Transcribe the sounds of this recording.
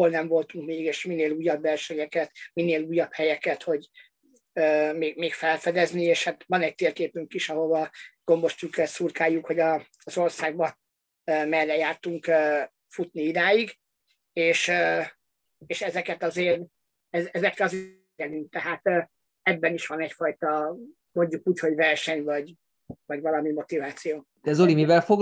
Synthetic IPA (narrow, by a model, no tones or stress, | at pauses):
olnɛɱvo̞lt̪uŋkmeːɡeːʃmineːluːjːɒbːɛrʃɛɲɛkɛt̪mineːluːjːɒphɛjɛkɛt̪ho̞ɟ | øːmeːɡmeːkfɛlfɛd̪ɛznieːʃhat̪ʋɒnɛc̚t̪eːrkeːpyŋkiʃɒɦo̞vɒɡ̥o̞mbo̞ʃt̪ykːɛsurkaːjːukho̞ɟɒː | zo̞rsaːɡ̚bɒ | øːmɛrːɛjaːrt̪uŋkø | fut̪niid̪aːjiɡ | eːʃø | eːʃɛzɛkɛt̪ɒzeːr | ɛzɛzɛkrɛɒz | ɛlynk̚t̪ɛɦaːt̪ː | ɛbːɛniʃʋɒnɛcfɒjt̪ɒ | mo̞ɲɟukuːcho̞ɟvɛrʃɛɲvɒɟ | vɒɟvɒlɒmimo̞t̪ivaːt̪sijoː | d̪̥ɛzolimivɛlfoɡ